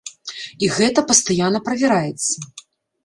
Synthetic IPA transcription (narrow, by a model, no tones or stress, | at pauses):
iɣɛt̪ɐpɐst̪ajanːɐpɾɐvʲɛɾajɛt̪sːɐ